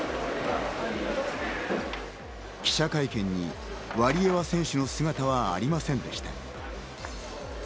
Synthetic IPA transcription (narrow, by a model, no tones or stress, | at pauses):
kʲi̥ɕakaikẽ̞ɲ̟ːḭ | βaɾʲie̞βasẽ̞ɰ̃ɕɨno̞sɨɡat̪aβa̰ːɾʲimasẽnd̪e̞ɕi̥t̪a̰